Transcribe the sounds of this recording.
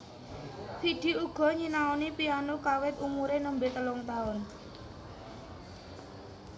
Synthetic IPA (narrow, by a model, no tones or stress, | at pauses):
piɖ̪̥i̤uɡ̥ɔ̤ɲinaonipianokawɪt̪umuɾenəmbɪʔt̪əlʊŋt̪aʊn